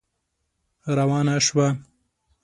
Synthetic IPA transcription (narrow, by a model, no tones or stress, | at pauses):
ɾawɑːnaʃwa